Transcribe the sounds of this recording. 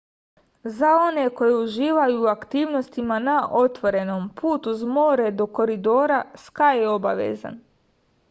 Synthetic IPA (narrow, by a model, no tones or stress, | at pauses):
zao̞ne̞ko̞jeuʒiːʋajuːakt̪iːʋno̞st̪imanaʔo̞t̪ʋo̞ɾe̞no̞mpuːt̪uzmo̞ːɾed̪o̞ko̞ɾid̪o̞ːɾaskajeo̞ba̰ʋḛza̰n